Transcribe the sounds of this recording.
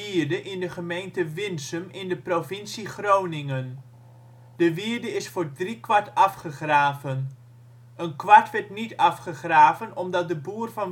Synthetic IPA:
iɹdəʔɪndəχəmejntəʋɪnsəmɪndəprovɪnsiχrownɪŋən | dəʋiəɹdəɪsfʊːɹdrikʋɑɹtɑfχəχraːvən | ənkʋɑɹtʋɛɹtnitɑfχəχraːvənɔmdɑt̚dəbuːrvɑn

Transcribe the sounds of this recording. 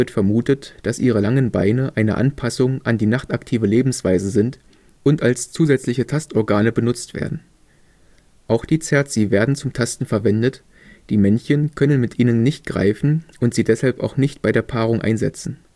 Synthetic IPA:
ɪɐtfɛɐmuːtətd̥asʔiːʁ̞əlaŋənba̰ɪnəʔaɪnə̰ʔa̰npʰasʊŋʔandiːnaχtaktʰiːvəleːbm̩sv̥aɪzəzɪnt | ʔʊntalst͡suːzɛt͡slɪçətʰastɔɐɡaːnəbənʊt͡stv̥ḛːɐdn̩ | ʔaʊxd̥iːt͡sɛɐtt͡siːveːɐdn̩t͡sʊmtʰastn̩fɛɐvɛndət | d̥iːmɛnçənkʰœnənmɪtʔiːnənːɪçt̚ɡ̥ʁa̰ɪfn̩ʔʊntz̥iːdɛshalpa̰ʊxnɪçt̚b̥aɪɾeːɐpʰaːʁ̞ʊŋʔa̰ɪnzɛ̰t͡sn̩

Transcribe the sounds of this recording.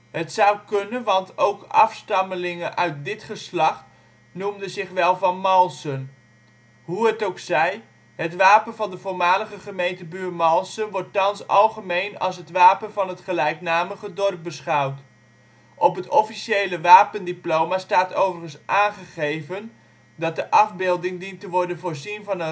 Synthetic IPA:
ɦətsʌwkɵnənʋɑntowkɑ̰fstɑməlɪŋənʔœɥt̚dɪtχəslɑχ | numdənzɪχʋɛlˠvɑnmɑlˠsən | ɦuɦətowksɛj | ɦətʋaːpənvɑndəvʊːɹmaːləχəχəmejntəbyːɹmɑlˠsənʋɔɹtːɑnsɑlˠχəmejnɑ̰lˠs̬ɦətʋaːpənvɑnɦətχəlɛjknaːməχədɔrp̚bəsχɑwt | ʔɔpɦətɔfiʃejləʋaːpəndiplowmastaːtowvərχənsʔaːnχəχejvən | dɑt̚dəʔɑfbɪlˠdɪŋdintəʋɔɹdənvoːɹzinvɑnə

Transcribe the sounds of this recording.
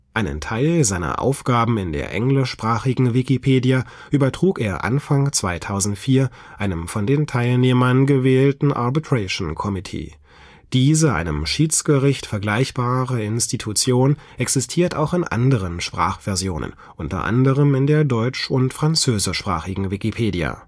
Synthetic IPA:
ʔaɪnə̰ntʰaɪlzaɪnɐ̰ʔa̰ʊfɡ̥aːbm̩ɪndḛːɐʔɛŋlɪʃpʁ̥aːχɪɡŋ̩vɪkipʰeːdija | ʔyːbɐtʁ̥uːkeːɐʔa̰nfaŋt͡sv̥aɪtʰaʊzn̩tfiːɐ | ʔaɪnəmfɔndeːntʰaɪlneːmɐnɡəvɛːltn̩ʔa̰ɐbitʁɛʃnkʰɔmɪtʰḭː | d̥iːzəʔa̰ɪnəmʃiːt͡sɡ̥əʁɪçtfɛɐɡlaɪçb̥aːʁəɪnstʰitʰut͡sjoːnʔɛksɪstʰiːɐta̰ʊxɪnʔa̰ndəʁənʃpʁ̥a̰ːχv̥ɛɐzjoːnə̰n | ʔʊntɐ̰ʔa̰ndəʁəmɪndeːɐdɔʏt͡ʃʊntfʁ̥ant͡søːzɪʃpʁ̥a̰ːχɪɡŋ̩vɪkipʰeːdia̰

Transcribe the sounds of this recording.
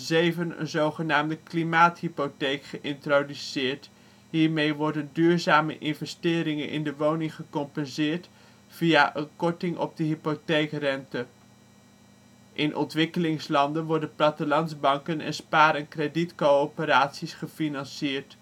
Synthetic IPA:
zejvənə̰nzowχənaːmdəklimaːtɦipotejkχəʔɪntrodysɪːɹt | ɦiːɹmejʋɔɹdəndyːɹzaːmə̰ʔɪnvɛstɪːɾɪŋənʔɪ̰ndəʋownɪŋχəkɔmpɛnzɪːɹt | fijaʔənkɔɹtɪŋʔɔ̰b̚dəɦipotejkrɛntə | ʔɪnʔɔ̰ntʋɪkəlɪŋslɑndənʋɔɹdənplɑtəlɑnzbɑŋkənɛ̰nspaːɾənkreditkoowpəɾaːtsisχəfinɑnsɪːɹt

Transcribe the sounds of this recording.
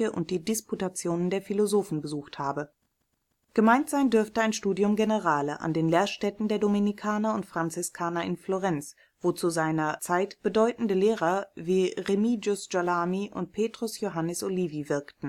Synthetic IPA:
əʔʊ̰nt̚d̥iːdisputat͡sjoːnəndeːɐfilozoːfn̩bəzuːxthaːbə | ɡ̥əmaɪntz̥aɪndʏɐftəaɪnʃtuːdjʊmɡenəʁaːləʔa̰ndeːnleːɐʃtɛtn̩deːɐdominikʰaːnɐʊntfʁ̥ant͡sɪskʰaːnɐɪnfloʁɛnt͡s | v̥oːt͡suzaɪnɐt͡saɪtb̥ədɔʏtn̩dəleːʁ̞ɐviːʁemid͡ʒʊsd͡ʒ̥alaːmiʔʊ̰nt̚pʰeːtʁ̥ʊsjoɦanəsʔoliːvivɪɐktn̩

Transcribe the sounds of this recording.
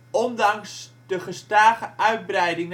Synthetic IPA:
ɔndɑŋs | d̥əχəstaːχəʔœɥd̚brɛjdɪŋ

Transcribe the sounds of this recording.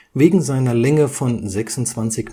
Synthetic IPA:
veːɡŋ̩zaɪnɐlɛŋəfɔnzɛksʊntt͡sv̥ant͡sɪç

